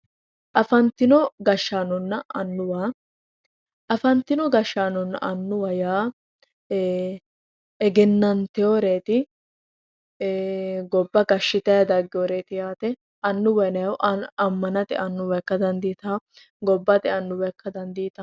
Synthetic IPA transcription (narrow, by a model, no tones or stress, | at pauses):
ʔɐfɐnt̪ːɪnɔɡɐʃːaːnɔnːɐɐnːʊwaː | ʔɐfɐnt̪ːɪnɔɡɐʃːaːnɔnːɐ̰ʔɐnːʊwɐjaː | ɛɡɛnːɐnt̪ɛjoːɾe̞ːt̪ɪ | ɡɔbːɐɡɐʃːɪt̪ɐjɐd̪ɐɡːɪjoːɾeːt̪ɪjaːt̪ɛ | ɐnːʊwɐnɐwʔɐmːɐnɐt̪ɪʔɐnːʊwɛkːɐd̪ɐnd̪iːt̪ɐ | ɡɔbːɐt̪ɪɐnːʊwɛkːɐd̪ɐnd̪iːt̪ɐ